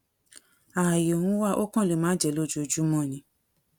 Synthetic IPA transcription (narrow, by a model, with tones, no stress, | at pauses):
a˨jo˨hũ˨˦wa˦˨ʔo˦kã˦˨le˨˦mãː˨˦d͡ʒɛ˨lo˦˨d͡ʒu˦o˧˨d͡ʒu˦mɔ̃˦˨nĩ˨˦